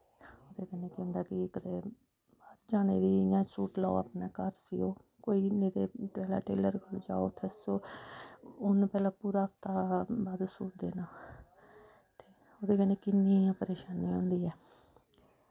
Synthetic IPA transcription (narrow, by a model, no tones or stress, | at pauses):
t̪eːoːd̪eːkɛːneːkʊ̃nd̪aːkɪkəd̪eː | baːd̪d͡ʒaːɽ̃eːd̪iːjãːsuːʈlaːoa̰pnaːkəɾsḭoː | koːiːneːd̪eːʈɛːla̰ːʈḛːləɾkʰəld͡ʒa̰ːo̰ːt̪ʰəsoː | ʊnpɛːlãːpuːɾaːk̚t̪aːbaːd̪suːʈd̪ḛːnaː | t̪eː | oːd̪eːkɛːneːkɪnːiːapəɾeːʃaːniːɦõ̰ːnd̪iːɛː